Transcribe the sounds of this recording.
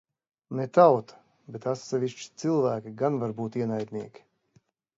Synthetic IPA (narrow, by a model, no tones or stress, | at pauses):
net̪awt̪ʰḁ | bet̪at̪sɛvʲiʃt͡ʃi̥t̪silˠvæːkʲiɡanvaɾbuːt̪iɛnajd̪ʲniɛkʲi̥